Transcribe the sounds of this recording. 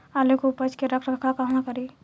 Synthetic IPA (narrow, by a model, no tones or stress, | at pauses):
aːlekopət͡ʃkeɾɐkʰɾɐkʰakaɦnãkɐɾiː